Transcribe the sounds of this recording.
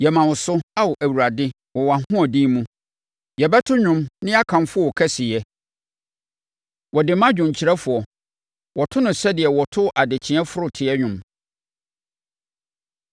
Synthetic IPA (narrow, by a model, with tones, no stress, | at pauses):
jɛ˨mã˨wʊ˨sʊ˦a˦wɔ˨ʔæ˨wu˨ɾa˨dɪ˦ | wɔ˨wa˨hʊ̃˦ɔ˨dĩ˦mũ˦ | jɛ˨bɛ˦tʰʊ˦ɲᶣʊ̃˦mnɪ̃˦a˦kʰã˨nfʊ˦ɔ˦wɔ˨kʰɛ˦sɪ˨jɛ˦ | wɔ˨dɪ˨mã˦d͡ʑᶣʊ̃˨ɲ˨t͡ɕʰi˨ɾɛ˦fʊ˨ɔ˨ | wɔ˨tʰʊ˦nʊ̃˨sɛ˦dɪ˨ɛ˨wɔ˨tʰʊ˦ʔa˨dɪ˨t͡ɕʰɪ̃˨˦ɛ̃˦fʊ˦ɾʊ˦tʰɪ˨ɛ˦ɲᶣʊ̃˨m